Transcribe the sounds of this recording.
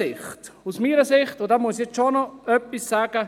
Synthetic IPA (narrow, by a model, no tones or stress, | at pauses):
ɪχtusmiːɾəsɪχtʊdamuəsjɛt͡sʃonɔœpːisːaːɡ̥ə